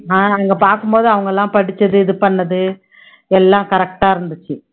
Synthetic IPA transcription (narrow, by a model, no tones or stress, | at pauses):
aːnɐŋɡɐpaːɾkɯmpoːðɯɐʋɐŋɡɐɛlːãːpɐɽɪt͡ʃːɐðɯɪðɯpɐɳːɐðɯ | ɛlːãːkɐɾɛk̚ʈaːɪɾɯnd̪ɯt͡ʃːɯ